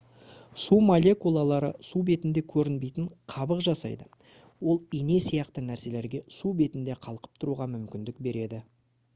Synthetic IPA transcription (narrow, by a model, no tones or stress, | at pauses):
sumolʲe̞kulˠɑlˠɑɾəsube̞t̪ɪnd̪e̞kʲʰɵɾɪnbe̞jt̪ɪɴqʰɑbəqʒɑsɑ̰jd̪ə | wo̞lˠine̞sijɑqt̪ənæɾse̞le̞ɾɡʲe̞sube̞t̪ɪnd̪eqʰɑlˠqə̥p̚t̪ʰʊɾuʁɑmʏmkʲɪnd̪ɪkbe̞ɾe̞d̪ɪ